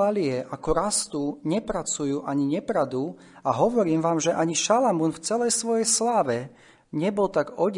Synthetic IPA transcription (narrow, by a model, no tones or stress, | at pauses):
aliɛʔakɔɾast̪uɲɛpɾat͡sujuːʔaɲiɲɛpɾad̪u | aɦɔʋɔɾiːmʋaːmʒɛʔaɲiʃalamunft͡sɛlɛjsʋɔjɛjslaːʋɛ | ɲɛbɔlt̪aɡɔɟ